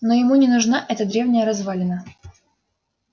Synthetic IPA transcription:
nojɪmunʲɪnʊʐnaʔɛt̪əd̪ɾʲe̞vnʲɪjəɾɐzvalʲɪnə

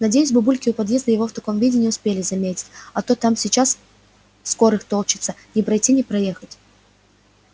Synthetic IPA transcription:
nɐdʲejʊs̬ʲbʊbulʲkʲɪʊpɐd̪jezd̪əjɪvoft̪ɐko̞mvʲidʲɪnʲɪʊspʲelʲɪzɐmʲetʲɪ̥tʲɐt̪ot̪ːamsʲɪt͡ɕas | sko̞ɾɨxt̪o̞lˠt͡ɕɪt̪sənʲɪpɾɐjtʲinʲɪpɾɐjexətʲ

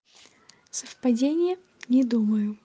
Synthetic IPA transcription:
səfpɐdʲenʲɪjə | nʲɪd̪uməjʊ

